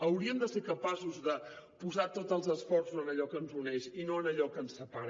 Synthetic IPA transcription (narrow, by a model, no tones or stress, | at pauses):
əwɾiəmd̪əseɾkəpasuzðə | puzat̪ot̪əlˠzəsfɔrsuzənəʎɔkəːnzunɛʃinoənəʎɔkənsəpaɾə